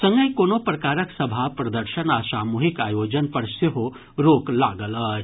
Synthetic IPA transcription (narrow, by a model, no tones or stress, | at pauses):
sɐ̃ŋɡəjkoːnopɾɐkaːɾəksɐbʱapɾɐd̪əɾʃənaːsaːmuɦikaːjoːd͡ʒənpɐɾseɦo | ɾoːklaːɡəlɐ